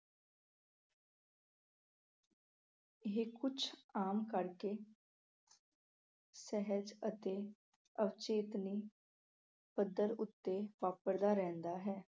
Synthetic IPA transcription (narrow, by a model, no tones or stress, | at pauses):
ɦekʊt͡ʃʰaːmkəɾkeː | sɛɦəd͡ʒət̪eː | əʋt͡ʃeːt̪niː | pəd̪əɾʊt̪ːeːʋaːpəɾd̪aːɾɛ̃ːnd̪aːɦɛː